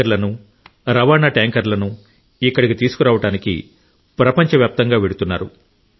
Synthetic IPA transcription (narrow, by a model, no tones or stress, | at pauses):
ɐɾlɐnu | ɾɐʋaːnaːʈaːŋkɐɾlɐnu | ikːɐɽikit̪iːsu̥kuɾaːʋɐʈaːnikḭ | pɾɐpɐɲt͡ʃɐʋjaːp̚t̪ɐŋɡaːʋeɽut̪unːa̰ːɾṵ